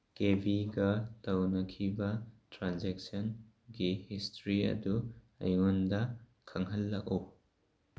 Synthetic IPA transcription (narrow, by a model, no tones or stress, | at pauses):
kebiɡɐtɐwnɐkʰibɐtɾanzɛk̚sɐn | ɡihistɾiɐ̰du | ɐ̰jŋundɐ | kʰɐŋɦɐlːɐk̚ɔ